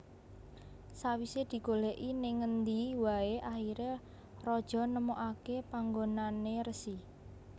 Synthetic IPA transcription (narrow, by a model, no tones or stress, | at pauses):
sawised̪̥i̤ɡoleʔinɪŋːənd̪iwaeʔaxiɾe | rɔd̥ʒ̥ɔ̤nəmoʔakepaŋɡonaneɾəsi